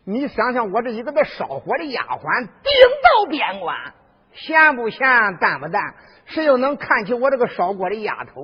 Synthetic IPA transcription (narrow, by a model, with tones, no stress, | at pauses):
ni˧˥ɕjɑ˧˥ŋɕjɑ˧˩ŋwɔ˨˩ʈ͡ʂ̩˥˩i˧˥ɡə˥˧d̪ə˧˩ʂɑ˨˩ʊxwɔ˧˥d̪ə˧ja̰˨˩xwa˧˥nt̪i˥˩ŋt̪ɑ˥˩ʊpjɛ˧˩nkwa̰˧˩n | ɕjɛ˥˧npu˨˩ɕjɛ˥˧t̪a˥˩npu˧˥t̪a˥˩n | ʂɻ̩˥˧˩jo˧˩ʊnɤ˧˥ŋkʰa˥˩nt͡ɕʰi˧˥wɔ˧˦ʈ͡ʂɤ˥˩ə˩ʂɑ˧˩ʊkwɔ˨˩d̪ə˦ja̰˨˩t̪ʰo˧˥ʊ